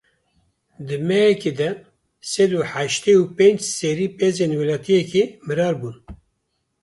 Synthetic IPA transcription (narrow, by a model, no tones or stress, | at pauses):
d̪ɨmɛjɛked̪ɛ | sɛd̪uħaʃt̪eupẽnd͡ʒseɾiːpezenwɛlɑːt̪ʰijɛkemɨɾɑːɾbuːn